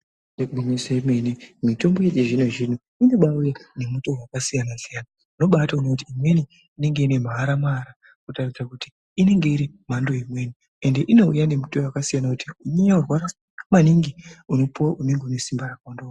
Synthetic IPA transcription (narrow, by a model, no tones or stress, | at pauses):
neɓumiseemwenemito̞mbo̞jet͡ʃeʐineʐin̤u | ineɓaujane̞muto̞wakasijanasijana | uno̞ɓataunokut̬iːmwe̞ni | ine̞ŋɡe̞ine̞m̤aːɾamaːɾa | kutarisakuti̥ː | ne̞ŋɡe̞iɾi | m̤andoimwe̞ːni | ende̞ʔino̞ujane̞muto̞wakasijanakutiuɲeɲaurwaɾa | maniŋɡiuno̞puwaʔuneŋɡeune̞simbarakwando